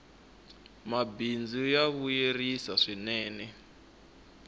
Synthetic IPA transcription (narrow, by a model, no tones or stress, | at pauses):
mabind͡zujaβujerisaʂinɛːnɛ